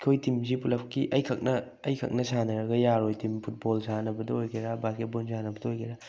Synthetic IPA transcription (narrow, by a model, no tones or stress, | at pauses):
kʰojtimzipulɐpkiʔɐjkʰɐk̚nɐː | jkʰɐ̰k̚nɐsanɐɾɐɡɐjaɾojtimpʰut̚bolsanɐbɐdɐojkʰeɾabaket̚bonsanɐbɐdɐojkʰeɾa